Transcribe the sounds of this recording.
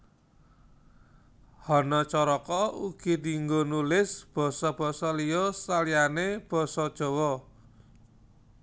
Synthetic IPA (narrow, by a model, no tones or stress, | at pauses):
hɔnɔt͡ʃɔɾɔkɔuɡ̥id̪iŋɡonulɪsb̥ɔ̤sɔb̥ɔ̤sɔlijɔsalijaneb̥ɔ̤sɔd̥ʒ̥ɔ̤wɔ